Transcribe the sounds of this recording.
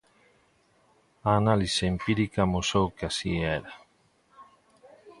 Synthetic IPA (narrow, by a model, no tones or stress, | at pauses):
aːnaliseempiɾikɐmusowkasieɾa